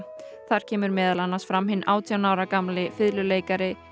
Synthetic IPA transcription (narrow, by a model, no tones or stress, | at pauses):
θaɾ̥cʰɛːmʏɾmɛːðalanːasfɾamhɪnːʔaːwt̪ʰijanaːwɾakamlɪfɪðlʏleːjkaɾɪ